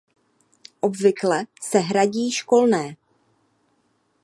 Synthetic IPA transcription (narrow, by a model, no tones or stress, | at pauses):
ʔo̞bvɪklɛsɛɦɾaɟiːʃko̞lnɛː